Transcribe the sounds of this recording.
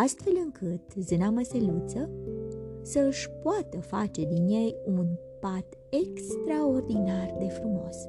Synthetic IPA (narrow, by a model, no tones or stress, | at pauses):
ast̪fe̞lɨŋkʰɨt̪zɨnaməselut̪sə | səɨʃʲpoat̪əfat͡ʃe̞d̪inje̞jun | pat̪ | ekst̪ɾaord̪inard̪e̞fɾumo̞s